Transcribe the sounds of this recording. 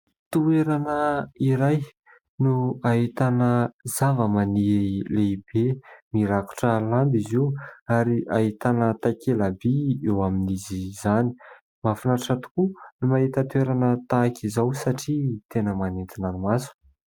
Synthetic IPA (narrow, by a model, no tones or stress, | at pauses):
t̪ueɾanəiɾaj | nuaɦit̪anəzavəmanileibemiɾaku̥ʈ͡ʂəland̪iziwaɾiʔaɦit̪anət̪akelabiewaminizizani̥ | mafinaʈ͡ʂat̪u̥kunumaɦit̪ət̪ueɾanət̪akʲizawsaʈ͡ʂit̪enəmanent̪inanimasu̥